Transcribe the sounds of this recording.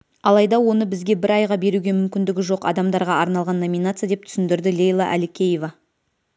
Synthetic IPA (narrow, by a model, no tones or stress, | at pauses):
ɑlˠɑjd̪ɑwo̞nəbɪzɡʲe̞bɪɾɑjʁɑbe̞ɾuɡʲe̞mʏmkʲɪnd̪ɪɡʲɪʒo̞qɑ̰d̪ɑmd̪ɑɾʁɑɑɾnɑlˠʁɑnːo̞mʲin̪at̪sɨjad̪e̞p̚t̪ʰʏ̥sɪnd̪ɪɾd̪ɪlʲe̞jlˠɑ̰ʔæ̰lɪkʲʰe̞je̞vɑ